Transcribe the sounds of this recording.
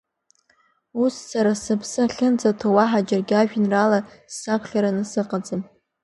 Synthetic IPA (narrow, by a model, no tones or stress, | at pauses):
ussaɾasɨpʰsɨχʲɪnt͡sʼatʰowaħad͡ʒɪrɡʲaʒᶣinralasːakʷʰχʲaɾanɨsɨqʼad͡zɨm